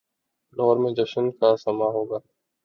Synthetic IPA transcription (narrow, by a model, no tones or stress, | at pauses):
ɖɔːɾmẽːd͡ʒəʃənkaːsəmaːɦoːɡaː